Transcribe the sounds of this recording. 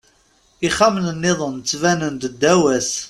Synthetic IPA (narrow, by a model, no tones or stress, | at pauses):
iχamnənːɪðˤənt͡sːvænənd̪əd̪ːæwæs